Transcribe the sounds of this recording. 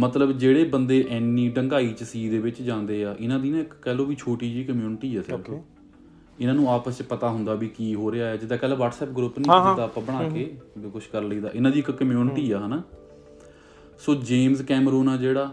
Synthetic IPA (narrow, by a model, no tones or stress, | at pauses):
mət̪ləbd͡ʒeːɽeːbənd̪eːʔɛːnːiːɖəŋɡaːiːt͡ʃəsiːd̪eːʋɪt͡ʃd͡ʒãːnd̪eːaːʔɪnãːd̪iːnãːɪkːɛːlõːʋiːt͡ʃʰoːʈiːd͡ʒiːkəmjuːnʈiːɛːsɪoː | ɪnãːnũːaːpəst͡ʃpət̪aːɦʊnd̪aːbiːkiːɦoːɾeaːɦɛːd͡ʒɪd̪aːkɛːloːʋaːʈsɛːp̚ɡɾʊpnĩd̪aːpãːbəɽ̃aːkeːkʊʃkəɾləiːd̪a̰ːʔɪnãːd̪iːɪkkːəmjuːnɪʈiːaːɦənaː | soːd͡ʒeːmzkɛːmɾuːnaːd͡ʒeːɽaː